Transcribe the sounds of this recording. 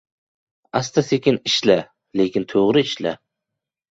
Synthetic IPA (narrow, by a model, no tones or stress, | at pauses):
ast̪asekʲɪnɪʃla | le̞kʲɪnt̪ʰoʁɾɪɪʃla̰